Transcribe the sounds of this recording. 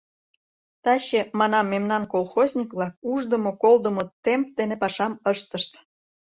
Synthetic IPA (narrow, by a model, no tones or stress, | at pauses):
t̪ɑɕĕmɑnɑmːemnɑnkolˠxozʲnʲikvlɑk̚uʒd̪ə̆mokold̪ə̆mot̪empd̪enepɑʃɑməʃt̪əʃt̪